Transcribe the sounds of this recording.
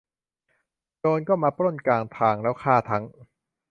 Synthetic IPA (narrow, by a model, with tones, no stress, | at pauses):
doː˧nkɔː˥˩maː˧pɾo˥˩nkaː˧ŋt̪ʰaː˧ŋlɛː˦˥wkʰaː˥˩t̪ʰa˦˥ŋ